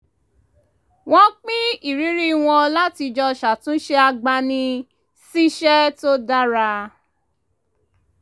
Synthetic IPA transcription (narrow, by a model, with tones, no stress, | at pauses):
w̃ɔ̃˦k͡pĩ˦i˦˨ɾi˨˦ɾi˦˨w̃ɔ̃˧la˦ti˧d͡ʒɔ˧ʃa˨tũ˨˦ʃe˦a˧ɡ͡ba˧nĩ˧ | si˦ʃɛ˦to˦da˦ɾa˧